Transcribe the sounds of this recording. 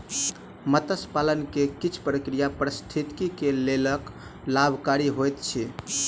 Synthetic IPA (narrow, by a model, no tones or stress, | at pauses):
mət̪əspalənkekit͡ʃʰpɾəkɾijapɾəst̪ʰit̪kikelelək | labʱkaɾiɦojt̪̚t͡ʃʰi